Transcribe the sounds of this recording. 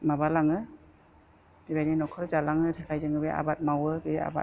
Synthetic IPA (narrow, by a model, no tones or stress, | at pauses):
mabalaŋɯ | bibajninɔkʰɔɾzalaŋɯtʰakʰajzɯŋɯbea̰bat̚mawɯbea̰ba̰